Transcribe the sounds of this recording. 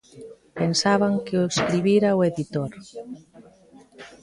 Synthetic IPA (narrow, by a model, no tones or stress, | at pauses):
pensaβ̞aŋkeoskɾiβiɾaweðit̪oɾ